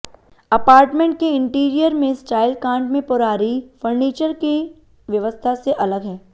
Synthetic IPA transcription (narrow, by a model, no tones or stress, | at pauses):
ɐpaːɾʈmẽɳʈ̚keɪ̃ɳʈiːɾijəɾmẽsʈaːɪlkãːɳɖmẽpʊɾaːɾifəɾniːt͡ʃəɾki | ʋjɐʋəst̪ʰaseʔɐləɡɦɛ̃ː